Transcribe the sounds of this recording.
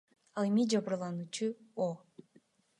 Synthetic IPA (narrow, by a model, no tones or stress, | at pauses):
ɑlˠemid͡ʒɑβɯɾlˠɑnuːt͡ʃuo